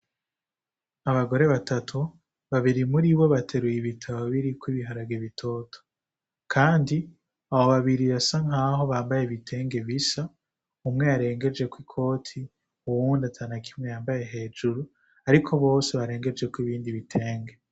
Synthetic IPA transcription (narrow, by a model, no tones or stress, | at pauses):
aβaɡo̞ɾe̞βatʰatʰu | βaβiɾimuɾiβo̞βatʰe̞ɾujiβitʰaβoβiɾikwiβiɦaɾaɡeβitʰo̞ːtʰo̥ | kʰaːndi | aβoβaβiɾiβasaŋaːɦo̞βaːmbajeβitʰe̞ːŋɡe̞βisa | umŋe̞jaɾe̞ːŋɡe̞d͡ʒe̞kwikʰo̞ːtʰi | uwuːndatʰanakʰimŋejaːmbaje̞ɦe̞ːd͡ʒuɾu | aɾikʰo̞βo̞ːseβaɾe̞ːŋɡe̞d͡ʒe̞kwiβiːndiβitʰe̞ːŋɡe̞